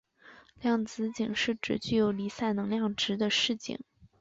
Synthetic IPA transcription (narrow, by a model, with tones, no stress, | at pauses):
ljɑ˥˩ŋt͡sɹ̩˧˥t͡ɕi˨˩ŋʂɻ̩˥˩ʈ͡ʂɻ̩˨˩t͡ɕy˥˩jo˨˩ʊli˧˥sa˥˩ɪnɤ˧˥ŋljɑ˥˩ŋʈ͡ʂɻ̩˧˥d̪ə˧ʂɻ̩˥˩t͡ɕḭ˨˩˦ŋ